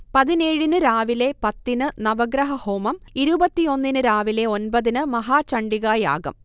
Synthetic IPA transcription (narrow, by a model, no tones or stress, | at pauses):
pɐðine̞ːɻinɨɾaːʋile̞pɐt̪ːinɨnɐʋɐɡɾɐɦɐhoːmɐmiɾubɐt̪ːio̞nːinɨɾaːʋile̞o̞nbɐðinɨmɐɦaːt͡ɕɐɳɖiɣaːja̰ːɡɐ̰m